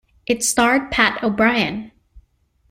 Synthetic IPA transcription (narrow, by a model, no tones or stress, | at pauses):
ʔɨtstɑɹd̚pʰæɾoʊbɹaɪɨ̰̃n